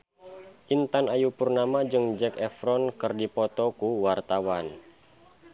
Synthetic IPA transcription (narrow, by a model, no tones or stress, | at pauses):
ʔint̪anajupurnamad͡ʒɨŋd͡ʒɛkɛfɾɔnkɨrdipɔt̪ɔkuwart̪awan